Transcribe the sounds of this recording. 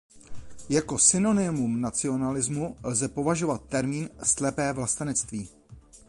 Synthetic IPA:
jako̞sɪno̞nɪmumnat͡sɪo̞nalɪzmulzɛpo̞vaʒo̞vat̪ːɛɾmiːnslɛpɛːvlast̪anɛt͡st̪viː

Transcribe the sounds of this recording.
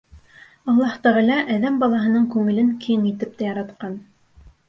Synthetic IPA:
ɑlˠːɑht̪æʁɑ̆lɑʔæðæmbɑlˠɑɦɤ̆nɤɴkʉŋɘ̆lɘŋkijŋit̪ɘp̚t̪æjɑɾɑt̪̚qɑn

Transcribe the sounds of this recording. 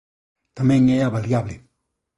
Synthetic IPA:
t̪amɛŋɛjabaljabli

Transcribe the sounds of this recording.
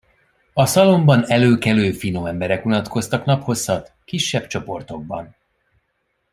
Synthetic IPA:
ɒsɒlo̞mbɒnɛløːkɛløːfinoɛmbɛɾɛkulɒt̪ko̞st̪ɒknɒpho̞sːɒt̪ | kiʃːɛb̚t͡ʃo̞po̞rt̪o̞ɡ̚bɒ̰n

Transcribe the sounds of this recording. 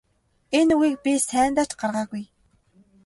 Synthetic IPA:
enuɣiːk̚pʲisæːnt̪ḁːt͡ɕɢarʁaːɣuj

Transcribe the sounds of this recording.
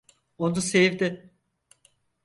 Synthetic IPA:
ond̪usevd̪ɪ

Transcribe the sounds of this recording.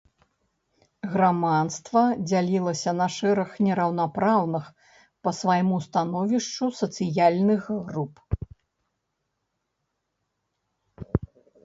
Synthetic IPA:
ɣɾamant̪st̪vɐd͡zʲalʲilˠɐsʲɐnɐʂɛɾɐxnʲɛɾɐwnapɾawnɨx | pɐsvajmust̪anɔvʲiʂt͡ʂusɐt̪sɨjalʲnɨxrup

